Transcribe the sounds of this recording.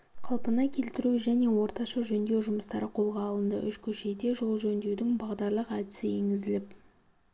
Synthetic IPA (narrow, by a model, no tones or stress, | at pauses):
qʰɑlˠpənɑkʲʰe̞lt̪ɪɾuʒæne̞wo̞ɾt̪ɑʃɑʒɵnd̪e̞wʒʊməst̪ɑɾəqʰo̞lˠʁɑːlˠənd̪ə̰ʔʏʃkʲʰɵʃe̞d̪e̞ʒo̞lˠʒɵnd̪ewd̪ɪŋbɑʁd̪ɑɾlˠəqæd̪ɪsɪeŋɡʲɪzɪlɪp̚